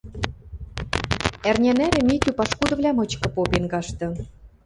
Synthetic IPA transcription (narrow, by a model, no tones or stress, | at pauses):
ærnʲænæɾɘ̆mʲit̪ypɑʃkud̪ɤ̆vlʲɑmɤ̆t͡ɕkɤ̆popenkɑʃt̪ɤ̆